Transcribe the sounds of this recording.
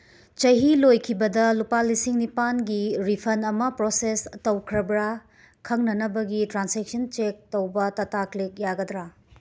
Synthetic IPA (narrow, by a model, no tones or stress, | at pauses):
t͡ʃɐɦilojkʰibɐdɐlupalisiŋnipanɡiɾipʰɐnɐmɐpɾosestɐwkʰɾɐbɾa | kʰɐŋnɐnɐbɐɡitɾansek̚sɐnt͡ʃek̚tɐwbɐtɐtaklek̚jaɡɐdɾa